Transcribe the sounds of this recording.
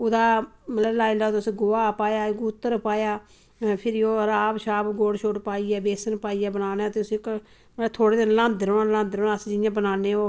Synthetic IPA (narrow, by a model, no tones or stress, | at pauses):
ʊd̪aːmələblaːilaːt̪ːʊsiɡoaːpaːjaːɡuːt̪ːəɾpaːjaː | pʰɪɾoːɾaːbʃaːbɡoːɽʃoːʈpaːiːɛːbeːsənpaːijɛːbənaːnaːt̪eːʊsk | məət̪ʰoːɽeːd̪ɪnlãːnd̪ɾoːaːlãːnd̪ɾoːnaːsd͡ʒɪjãːbənaːneːoː